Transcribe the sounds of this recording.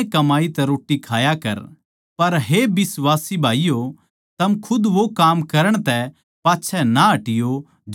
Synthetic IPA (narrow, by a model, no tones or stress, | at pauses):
kɐmaːit̪ɛɾoːʈːikʰaːjakɐ̰ɾ | pɐɾɦebɪsʋaːsibʱaːijo | t̪ɐmkʰʊd̪ʋokaːmkɐɾəɽ̃t̪ɛ | paːtːt͡ʃʰɛnaɐʈɪjo | d͡ʒ